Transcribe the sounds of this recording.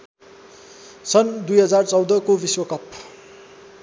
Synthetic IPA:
sʌnd̪ujɦʌd͡zart͡sʌwd̪ʌkobiswʌkʌp

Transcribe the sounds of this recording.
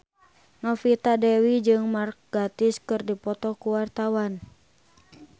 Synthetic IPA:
nɔfit̪adɛwid͡ʒɨŋmark̚ɡat̪iskɨrdipɔt̪ɔkuwart̪awan

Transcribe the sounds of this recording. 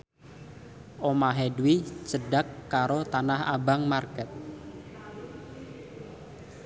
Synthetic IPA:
ʔomaɦedwit͡ʃədakːaɾot̪anaha̰baŋmarkɛt̪̚

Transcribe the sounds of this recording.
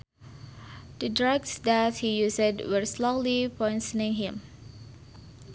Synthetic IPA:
d̥ədɹaɡsdæt̚hijusədwəɹslolipɔjnsənĩŋɦɪ̃m

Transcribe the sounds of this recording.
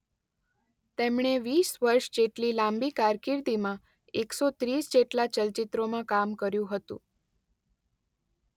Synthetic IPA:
t̪emɳ̃eʋisʋəɾʃd͡ʒeʈlilãmbikaɾkiɾd̪imã | eksot̪ɾisd͡ʒeʈlat͡ʃəlt͡ʃit̪ɾomãkamkəɾjũɦət̪ṵ̃

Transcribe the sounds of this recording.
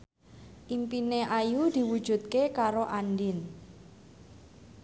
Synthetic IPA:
ʔimpineʔajud̪̥i̤wud̥ʒ̥ṳt̪̚kekaɾoʔandɪn

